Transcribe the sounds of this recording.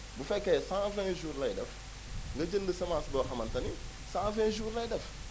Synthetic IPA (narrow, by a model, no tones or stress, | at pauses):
bufekːesãfẽʒuːɾlɐjdɐ̰f | ŋɡɐd͡ʒəndəsɐmasboxɐmɐntɐni | sãfẽʒuːɾlɐjdɐf